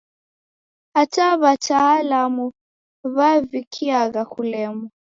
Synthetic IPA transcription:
hataβatʰaːlamu | βavikʰiaɣakulɛmɔ

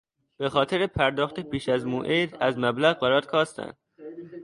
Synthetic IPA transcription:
b̥e̞xɒːt̪ʰeɾepʰæɾd̪ɒːxt̪epʰiːʃæzmoʔed̪æzmæblæɣbæɾɒːd̪̥̚kʰɒːst̪ʰæ̰nd̪̥̚

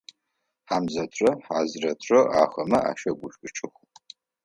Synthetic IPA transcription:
ħaːmzɐtʷʼɐħaːzrɐtʷʼɐʔa̰ːχɐmɐʔa̰ːʃɐɡʷʊɕʷʼʊt͡ʃʼɨχʷ

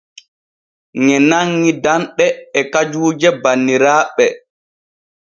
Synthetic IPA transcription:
ŋɛnaŋːidanɗɛːkad͡ʒuːd͡ʒɛbanːiɾaːɓɛ

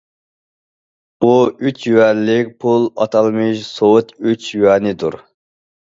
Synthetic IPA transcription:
buyt͡ʃjywɛɾlːɪk̚ʲpʰulˠɑ̰t̪ʰɑlˠmɨʃsowʊt̪yt͡ʃjywɛnɪd̪uɾ

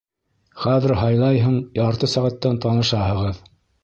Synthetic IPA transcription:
χæðɘ̆ɾɦɑjlˠɑjɦuɴjɑɾt̪ɤsæʁæt̪ːænt̪ɑnɤ̆ʃɑɦɤ̆ʁɤð

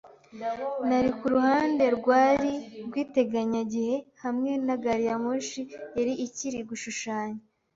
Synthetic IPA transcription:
naɾikuɾuhaːnde̞ɾɡwaːɾiɾɡwiːte̞ɡaɲaɟihe̞hamŋe̞naɡaɾijamoʃijeɾiʔiciɾiɡuʃuʃaːɲa

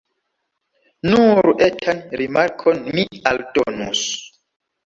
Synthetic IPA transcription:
nuɾʔetʰanɾimaɾkʰonmialdɔnṵs

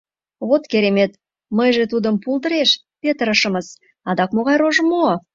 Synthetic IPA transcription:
wot̪kʲʰeɾeme̞t̪ | məjʒet̪ud̪əmpʰulˠd̪əɾeʃ | pʲe̞t̪əɾəʃəməz̥ | ɑd̪ɑkmoʁɑjɾoʒəmo

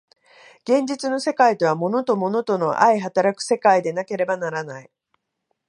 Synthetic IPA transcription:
ɡ̥ẽ̞ɲ̟d͡ʑit͡sɨno̞se̞kait̪o̞βamo̞no̞t̪o̞mo̞no̞t̪o̞no̞ʔaiɦat̪aɾakɯ̟̥se̞kaid̪e̞nake̞ɾe̞banaɾanai

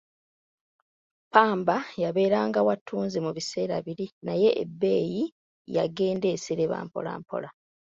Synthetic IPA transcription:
paːmbajaβe̞ːɾaːŋɡawatʰuːnzimuβise̞ːɾa̰βiɾinaje̞ʔḛbːe̞ːji | jaɡe̞ːnde̞ːsiɾeβa̰ːmpo̞̰la̰ːmpo̞̰la

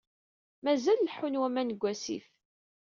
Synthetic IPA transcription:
mæzælːħunwæmænəɡʷæsḭθ

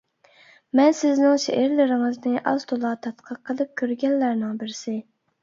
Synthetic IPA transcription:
mɛnsɪznɪŋʃḛʔɪɾlɪɾɪŋɨznɪʔɑzt̪ʰolˠɑt̪ʰɑt̪qʰəqʰːəlˠɨp̚kʲʰøɾɡʲɛnːæɾnɪŋbɪɾsɪ

